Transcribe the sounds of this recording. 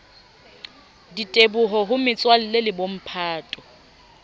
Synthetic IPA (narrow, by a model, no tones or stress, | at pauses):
ditʼebʊɦɔɦʊmɪt͡sʼwal̩lelɪbom̩pʰaːtʼɔ